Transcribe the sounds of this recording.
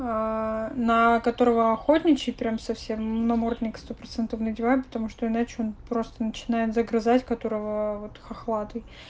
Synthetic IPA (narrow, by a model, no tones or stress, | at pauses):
anəkɐt̪o̞ɾəvəɐxo̞tʲnʲɪt͡ɕɪjpɾʲamsɐfsʲe̞mːnɐmord̪ʲnʲɪkst̪o̞pɾɐt̪sɛnt̪əfnədʲɪvapə̥t̪ɐmuʂt̪o̞ɪnat͡ɕɪo̞npɾo̞st̪ənət͡ɕɪnajɪt̪zəɡɾɨzatʲkɐt̪o̞ɾəvəvo̞t̪ɨ̥xɐxlˠat̪ɨj